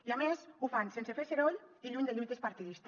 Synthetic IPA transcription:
iamezufansensefeseɾoʎiʎuɲd̪eʎujt̪espaɾt̪iðist̪

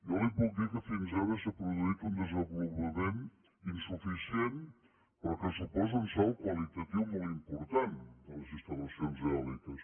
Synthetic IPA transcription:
jɔlˠibɔlˠd̪ikəfinzaβəsapɾuðuit̪und̪əzəmbulβəmen | insufisien | pɾɔkəsupɔzunsɔlˠkwəlit̪ət̪iwmolˠimpuɾt̪and̪ələzist̪ələsionzɛlikəs

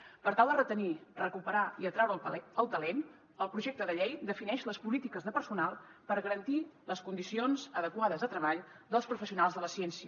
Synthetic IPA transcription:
pəɾt̪alˠd̪ərət̪ənirəkupəɾaiət̪ɾɛwɾəəlˠt̪əlen | əlˠpɾuʒek̚t̪əðəʎejd̪əfinɛʃləspulit̪ikəzðəpəɾsunalˠpəɾɣəɾənt̪iləskund̪isionzəðəkwaðəzət̪ɾəβaʎd̪əlˠspɾufəsiunalˠzðələsiɛnsiə

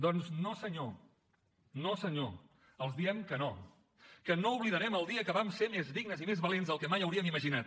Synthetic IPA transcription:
d̪ɔnznosəɲo | nosəɲo̰ | əlˠzðiɛmkəno | kənouβliðəɾɛməlˠd̪iəkəβamsemezðiɡnəzimezβəlenzðəlˠkɛmajəwɾiəmiməʒinat̪̚

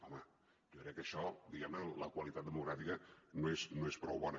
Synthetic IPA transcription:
ɔmə | ʒokɾɛkːəʃɔd̪iɣɛmnələkwəlit̪at̪̚d̪əmuɣɾafikənoesnoespɾɔwβɔnə

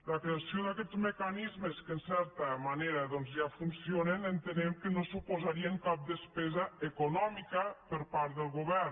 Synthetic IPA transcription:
ləkɾeasjoðakɛd͡zzməkanizməskənsɛɾt̪əmaneɾaðɔnzʒafunsionenənt̪ənɛmkənosupozaɾiəŋkap̚d̪əspɛzɐekunɔmikəpəɾpaɾt̪̚ðəlˠɣuβɛɾ

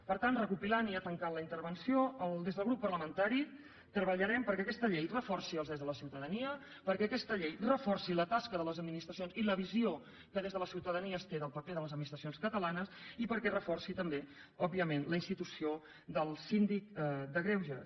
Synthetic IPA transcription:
pəɾt̪anrəkupilaniət̪əŋkanləint̪əɾβənsijoəlˠd̪ezðəlˠɣɾupːərləmənt̪aɾi | t̪ɾəβəʎəɾɛmpəɾkɛəkɛst̪əʎejrəfɔrsiəlzðezðələsiwt̪əðəniə | pəɾkɛəkɛst̪əʎejrəfɔrsilət̪askəðələzəd̪minist̪ɾəsionziləβizio | kəðezðələsiwt̪əðəniəst̪eðəlˠpəkɛðələzəd̪minist̪ɾəsionskət̪əlanəsipəɾkɛrəfɔrsit̪əmbe | ɔb̚iəmenləinst̪it̪usio | d̪əlˠsind̪ik̚d̪əɣɾɛwʒə

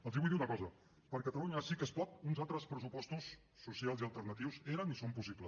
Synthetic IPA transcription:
əlˠziβujðiunəkɔzə | pəɾkət̪əluɲəsikespɔt̪̚unzalt̪ɾəspɾəsupɔst̪usː | usialˠziəlˠt̪ərnət̪iwzeɾənisompusiplə

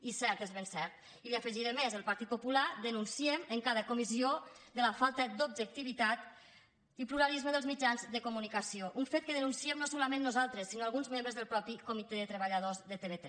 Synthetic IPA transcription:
isɛɾt̪ezβensɛɾt̪̚ | iliafəʒiɾemezəlˠpaɾt̪it̪̚pupulad̪ənunsieməŋkaðəkumiziod̪ələfalˠt̪əd̪ub̚ʒək̚t̪iβit̪at̪ | ipluɾalizməðəlˠzmid͡ʒanzd̪əkumunikasioʔuɱfet̪̚kəðənunsiɛmnosolamenːuzalˠt̪ɾəsːinoalɣunzmẽmbɾəzðəlˠpɾɔpikumit̪eðət̪ɾəβəʎaðozðət̪eβet̪

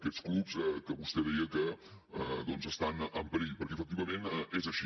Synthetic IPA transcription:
kɛt͡sklupzəkəβust̪ɛðɛəkəəd̪ɔnzəst̪anəmpəɾiʎpəɾkɛəfək̚t̪iβəmẽnezəʃi

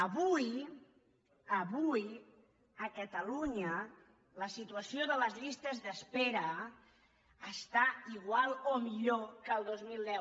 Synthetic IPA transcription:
əβuj | əβuj | əkət̪əluɲə | ləsit̪uəsioðələzʎist̪əzðəspɛɾə | st̪aiɣwalˠomiʎokəlˠd̪ozmilˠd̪ɛw

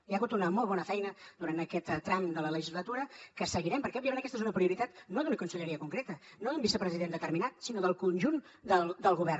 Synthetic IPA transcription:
iaɣut̪unəmɔlˠβɔnəfɛjnəd̪uɾant̪əkɛt̪ːɾamd̪ələləʒizlət̪uɾəkəsəɣiɾɛmpəɾkɛɔβbiəmẽntəkɛst̪ezunəpɾiuɾit̪at̪noðunəkunsəʎəɾiəkuŋkɾet̪ənoðumbisəpɾəziðend̪ət̪əɾminat̪sinoðəlˠkunʲʒun | d̪əlˠd̪əlˠɣuβɛr

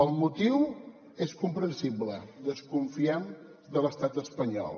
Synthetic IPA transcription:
əlˠmut̪iw | eskumpɾənsibləd̪əskuɱfiɛm | d̪ələst̪at̪əspəɲɔ̰lˠ

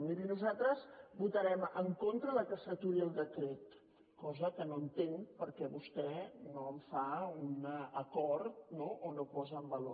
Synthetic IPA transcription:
miɾinuzat̪ɾəzbut̪əɾɛməŋkont̪ɾəðəkəsət̪uɾiəlˠd̪əkɾet̪ | kɔzəkənoənt̪eŋpəɾkɛβust̪ɛnoəɱfaunəəkɔɾt̪̚noʔonopɔzəəmbəlo

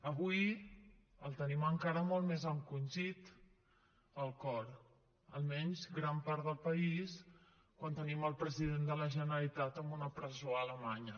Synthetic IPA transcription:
əβuj | əlˠt̪əniməŋkaɾəmolˠt̪mezəŋkunʲʒit̪ | əlˠkɔɾ | ə̰lˠmɛɲzɡɾampaɾðəlˠpəis | kwant̪əniməlˠpɾəziðend̪ələʒənəlit̪at̪əmbunəpɾəzoələmaɲə

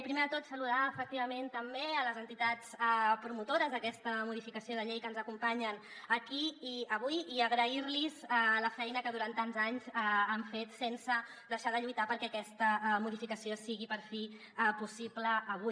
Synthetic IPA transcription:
pɾimeðət̪ot̪səluðaəfək̚t̪iβ̞əment̪əmbeələzənt̪it̪at͡sɛpɾumut̪oɾəzðəkɛst̪əmuð̞ifikəsioð̞əʎejkənzəkumpaɲən | əkiiəβ̞ujiəɣɾəiɾlizələfɛjnəkəðuɾant̪anzaɲzaaɱfet̪sensə | d̪əʃaðəʎujt̪apəɾkɛəkɛst̪əmuðifikəsiosiɣipəɾfi | pusipləːβu

